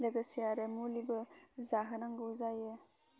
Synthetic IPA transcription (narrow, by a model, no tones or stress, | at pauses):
lɐɡɐsijaɾemulibɐzaɦɐnaŋɡɯuzaje